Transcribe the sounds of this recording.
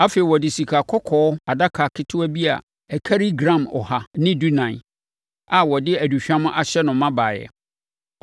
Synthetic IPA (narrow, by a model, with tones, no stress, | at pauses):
a˦fe˨i˨wɔ˨dɪ˨si˨kʰa˨kʰɔ˦kʰɔː˨˦a˨da˦kʰa˨kʰɪ˦tʰʊ˦æ˦bi˦a̰˨ | ɛ˨kʰa˦ɾi˦ɡɾã˦˨mɔ̰˨ha˨nɪ̃˦du˦nã˨ | a˨wɔ˨dɪ˦æ˨du˨ɕᶣã˦mʊ̃˦ʔa˨ɕɛ˦nʊ̃˨mːã˦baː˨jɛ̰˨